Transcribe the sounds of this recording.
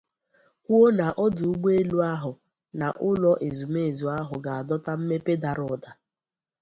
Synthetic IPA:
kʷu˦o˦na˨ʔɔ˦dʊ˨u˦ɡ͡be˦lu˦a˦ɦʊ˨ | na˨ʔʊ˦lɔ˦ʔe˨zu˨me˦e˨zu˨a˦ɦʊ˨ɡa˨a˨dɔ˦ta˦m̩˦me˦pe˦da˨ɾʊ˨da˨

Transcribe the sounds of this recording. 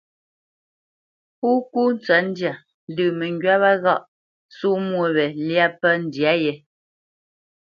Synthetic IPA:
pu˦ku˦n̩˦t͡sɥa˨˦n̩˦dja˨ | n˦dʉː˦˨mɛ˨ŋɡɥa˦βa˦ɣa˦˨ʔ | su˦mwo˨βɛ˨lja˦pə˦n̩˦˨dja˦jɛ˨

